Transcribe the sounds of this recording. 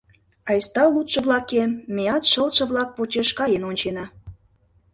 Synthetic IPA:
ɑjst̪ɑlut̪ʃɤ̆βlɑkemeɑt̪ʃə̆lt̪ʃɤ̆βlɑk̚potʲeʃkɑjenonʲt͡ɕenɑ

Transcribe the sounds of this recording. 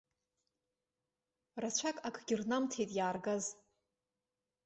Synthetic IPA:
rat͡ʃʷʰakʼakʰʼɡʲɪrnamtʰejtʼjaːrɡaz

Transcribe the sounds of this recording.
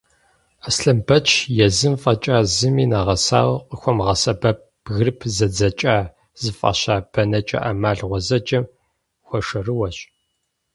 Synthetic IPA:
asɬɐmbɐt͡ʃʰjɛzɨmfʼɐt͡ʃʼaːzɨmiːnaːʁɐsa̰ːwqəxʷɔmʁɐsɐbɐp̚ | ɣɨrpʰzɐd͡zɐt͡ʃʼaː | z̥ɨfʼɐ̰ɕaːb̥ɐnɐt͡ʃʼɐ̰ʔamaːɮʁʷɔzɐt͡ʃʼɐm | xʷɔʂɐrɨwɐɕʼ

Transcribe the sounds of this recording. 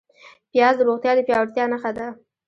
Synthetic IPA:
pjɑzd̪əɾoɣt̪jɑd̪əpjɑwaɽt̪jɑnəxad̪a

